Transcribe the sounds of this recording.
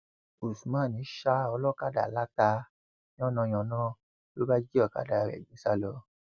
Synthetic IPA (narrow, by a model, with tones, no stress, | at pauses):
o˨su˨mã˨˦˨nĩ˨˦ʃa˧˦ɔ˧lɔ˦ka˦˨da̰˨la˦ta˧ | nĩ˦ɔ˦nɔ̃˧j̃ɔ̃˨nã˦ | to˦ba˦d͡ʒi˦ɔ˦˨ka̰˦˨da˧˨ɾɛ̰˨d͡ʒĩ˨˦sa˦˨lɔ˧˦